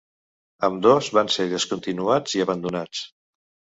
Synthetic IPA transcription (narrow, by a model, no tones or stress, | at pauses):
əmd̪ozβanseɾðəskunt̪inuad͡ziəβənd̪unat͡s